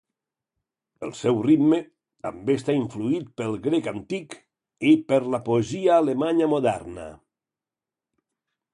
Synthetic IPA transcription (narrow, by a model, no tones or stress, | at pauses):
ə̰lˠsɛwrid̪me | t̪a̰mbest̪aiɱfluit̪̚pəlˠɡɾekant̪ik | epəɾlapoeziaːlemaɲamoðɛ̰ɾna̰